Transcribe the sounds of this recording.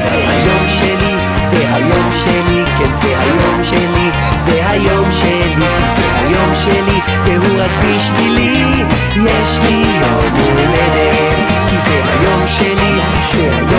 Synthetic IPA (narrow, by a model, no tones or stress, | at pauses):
valha̰jo̞mʃeli | zɛɦajo̞mʃelikenzehajo̞mʃeli | zeɦajo̞mʃelikizeha̰jo̞mʃeli | veɦuʁaɡbiʃvili | jeʃlijomuled̪e | t | kizeɦa̰jo̞mʃeli | ʃeha̰jo